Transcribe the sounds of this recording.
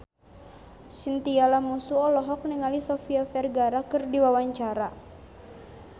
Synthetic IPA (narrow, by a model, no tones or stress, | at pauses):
sint̪ialamusuɔlɔɦɔk̚niŋalisɔfiafɛrɡaɾakərdiwawaɲt͡ʃaɾa